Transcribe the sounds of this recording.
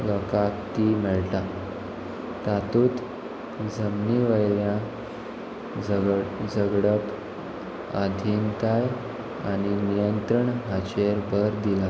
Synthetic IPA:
lɔkakt̪iːmɛɭt̪a | t̪at̪uːt̪ | d͡zəmniʋəjljã | d͡zəɡɽəp | ad̪ʱiːnt̪aj | aɽ̃inijənt̪ɾəɳɦat͡ɕeɾbʱəɾd̪ila

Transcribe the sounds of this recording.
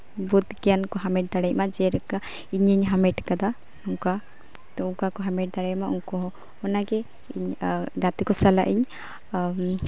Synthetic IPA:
bud̪kɛjankɔɦamɛʈ̚d̪aɽɛc̚mad͡ʒɛɾɛka | iɲəɲɦamɛʈkad̪a | uŋka | t̪ɔuŋkakɔɦamɛʈ̚d̪aɽɛjmaʔuŋkɔɦɔ | ɔnaɡɛ | iɲd͡ʒat̪ikɔsala̰ʔiɲ

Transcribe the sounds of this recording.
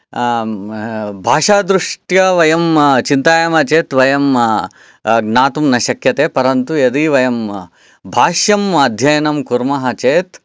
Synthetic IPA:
bʱaːʂaːd̪ɾuʂʈjɐʋɐjɐmt͡ʃint̪aːjɐmɐt͡ʃeːt̪ʋɐjɐm | ɡnaːt̪umnɐʃɐkjɐt̪eːpɐɾɐnt̪ujed̪iʋɐjɐm | bʱaːʃjɐmɐd̪ʱjɐjɐnɐmkuɾmɐɦɐt͡ʃeːt̪

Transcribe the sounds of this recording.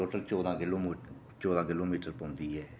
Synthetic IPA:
oːʈəlt͡ʃɔːd̪ãːkɪloː | t͡ʃɔːd̪ãːkɪloːmiːʈəɾpɔ̃ːnd̪iːɦɛː

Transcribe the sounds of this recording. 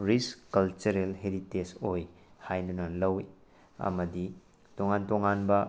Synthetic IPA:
ɾiskːɐlt͡ʃuɾelɦeɾitesoj | hajdunɐlɐwi | ɐ̰mɐdi | toŋantoŋanbɐ

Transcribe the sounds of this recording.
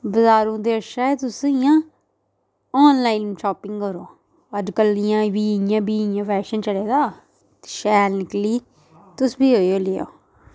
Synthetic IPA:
bəzaːɾũːd̪eːəʃaːeːt̪ʊsijãː | ɔːnlaːinnʃɔːpɪ̃ŋɡkəɾoː | əd͡ʒkəlːɪjãːbiːjãːbiːjãːpʰɛːʃənt͡ʃəɽeːd̪aː | ʃɛːlnɪkliː | t̪ʊsbiːɦoːioːleːo̰ː

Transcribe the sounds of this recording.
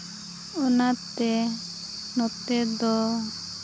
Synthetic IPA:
unat̪ɛ | nɔt̪ɛd̪ɔ

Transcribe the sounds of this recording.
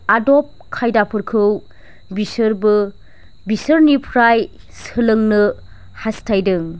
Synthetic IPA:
adop̚kʰːajdapʰɯɾkʰɯw | bisɯɾbɯ | bisɯɾnipʰɾaj | sɯlɯŋnɯ | hastʰajdɯŋ

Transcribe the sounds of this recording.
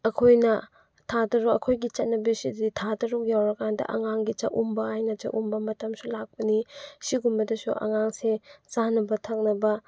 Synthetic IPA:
ɐkʰojnɐ | tʰadɐɾuɐkʰojɡit͡ʃɐt̚nɐbisidditʰadɐɾuk̚jawɾɐkʰandɐ̰ʔɐ̰ŋaŋɡit͡ʃɐ̰ʔumbɐajnɐt͡ʃɐ̰ʔumbɐmɐtɐmsulak̚pɐnisiɡumbɐdɐsuʔɐ̰ŋaŋset͡ʃanɐbɐtʰɐk̚nɐbɐ

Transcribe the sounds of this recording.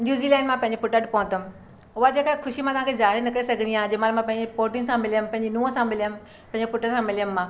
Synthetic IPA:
njuːziːlɛ̃ːɳɖmãpɐ̃ɪ̃ɲd͡ʑepʊʈəʈpɔɦʊ̃t̪əm | ʊɦad͡ʑeːkakʰʊʃimãt̪ɐɦãːkʰezaːɦɪɾenɐkɾesɐɡʱə̃nijãːd͡ʑemaːlmãpɐ̃ɦɪ̃ɲd͡ʑepoːʈĩsãmɪlijəmpɐ̃ɦɪ̃ɲd͡ʑenũːə̃sãmɪlijəm | pɐ̃ɦɪ̃ɲd͡ʑefʊʈəsãmɪljəmːãː

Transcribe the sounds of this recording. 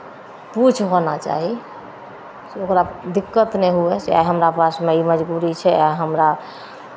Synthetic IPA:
put͡ʃʰɦonat͡ʃa̰ɦi | seokɾad̪ikːət̪neɦuɛsea̰jɦəmɾapasmeiməd͡ʒbuɾit͡ʃʰɛajɦəmɾa

